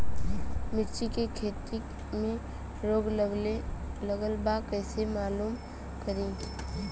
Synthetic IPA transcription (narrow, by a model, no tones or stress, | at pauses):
mɪɾt͡ʃikekʰeːt̪i | mẽ | ɾoːɡ | ləɡəlbakɛːsemaːluːm | kəɾẽː